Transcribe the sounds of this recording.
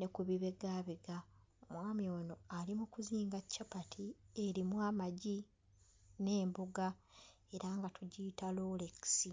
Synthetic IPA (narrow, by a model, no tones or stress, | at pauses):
ne̞kuβiβe̞ɡaːβiɡa | omwaːmiono̞alimukuziːŋɡacːapatʰieɾimwaːmaɟi | ne̞ːmbuɡa | e̞ɾaŋɡatuɟitaloːleki̥si